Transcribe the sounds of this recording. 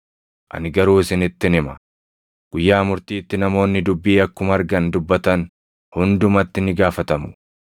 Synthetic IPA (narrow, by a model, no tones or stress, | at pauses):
ʔɐ̰nɪɡɐɾuːsɪnɪt̪ːɪnɪmɐ | ɡ̥ʊjːaːmʊɾt̪iːt̪ːɪnɐmo̞ːnːɪd̪ʊbːiːɐkːʊmɐɾɡɐnd̪ʊbːɐt̪ɐn | hʊnd̪ʊmɐt̪ːɪnɪɡaːfɐt̪ɐmʊ̥